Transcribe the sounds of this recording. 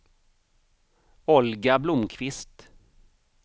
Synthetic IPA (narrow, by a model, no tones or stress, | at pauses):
ɔlɡablʊmkʰvɪst̪